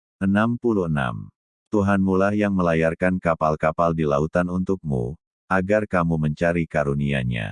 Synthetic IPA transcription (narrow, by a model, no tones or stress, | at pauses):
ʔənampuluəna̰m | t̪uɦanmulahjaŋməlajarkankapalkapaldilaut̪anunt̪uk̚mṵ | ʔaɡarkamuməɲt͡ʃaɾikaɾunia̰ɲa̰